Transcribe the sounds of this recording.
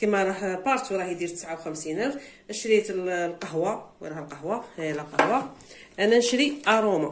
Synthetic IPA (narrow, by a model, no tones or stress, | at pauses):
kimæɾˤɑħpɑɾˤt̪wɾˤɑhjd̪iɾt̪ə̥sʕawxæmsinæfʔəʃɾit̪llqɑɦwawɾˤɑhəlqɑhwaləqɑhwa | ʔænænʃɾiʔɑɾˤuma